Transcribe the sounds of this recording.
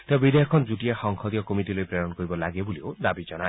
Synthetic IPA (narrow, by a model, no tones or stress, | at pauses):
t̪ebid̪ʱeɦɔkʰɔnd͡ʒuʈiexɔŋkʰɔd̪ijɔkomiʈilojpɾeɾɔnɔkɔɾibɔlaɡebuliod̪abid͡ʒɔna